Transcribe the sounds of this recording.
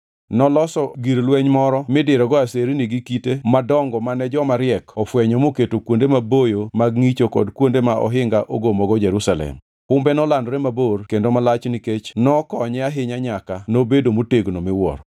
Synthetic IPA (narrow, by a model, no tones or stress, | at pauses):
nɔlɔsɔɡiɾlwɛɲmɔɾɔmɪdɪɾɔɡɔaseɾiniɡikitemadɔŋɡɔmanɛd͡ʒɔmaɾjɛkɔfwɛɲɔmoketokwondemabojomaɡŋit͡ʃokɔ̰dkwondemaʔɔɦɪŋɡaʔoɡomɔɡɔd͡ʒeɾusalɛ̰m | kʊmbɛnɔlandɾɛmaborkendomalat͡ʃniket͡ʃnɔkɔɲɛaɦɪɲaɲakanobedomoteɡnomɪwɔ̰ɾ